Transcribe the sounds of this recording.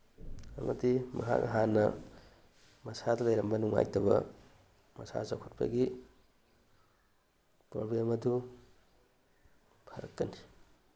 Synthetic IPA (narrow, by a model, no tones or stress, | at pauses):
ɐ̰mʔɐ̰timɐ̰kʰa̰kʔɐ̰ɦanːɐ | mɐsadɐlɐjɾɐmbɐnuŋa̰jtɐbɐ̰ | mɐsa̰zakʰut̚pʰɐ̰ɡi | pɾoblemɐdu | pʰɐɾɐkːɐni